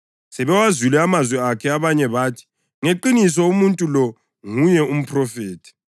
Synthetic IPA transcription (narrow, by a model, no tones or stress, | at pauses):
sɛβɛwazulɛamazwɛakʰɛaβaɲɛβaːtʰi̥ | ŋeǃinis̬ɔumuntʼulɔ | ŋujɛum̩pʰʼrɔfeːtʰi̥